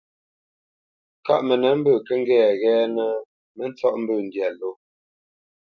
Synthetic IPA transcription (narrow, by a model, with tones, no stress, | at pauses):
ka˦ʔmə˨nə˨˦m̩˦bəː˦˨kə˦ŋ˦ɡɛː˦˨ɣɛː˦nə˦ | mə˦n̩˦t͡sɔ˦ʔm̩˦bəː˦˨n̩˨dja˨lo˦